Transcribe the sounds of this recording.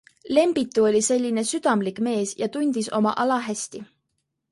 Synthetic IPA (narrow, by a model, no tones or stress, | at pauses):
le̞mb̥it̪ːˑuo̞lʲise̞lʲːine̞syd̪̥ɑmlikme̞ːsjɑt̪unʲd̪̥iso̞mɑ̰ʔɑlɑɦæsʲt̪i